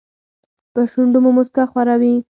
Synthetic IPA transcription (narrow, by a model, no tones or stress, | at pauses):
pəʃuɳɖumomʊskaxwaɾawi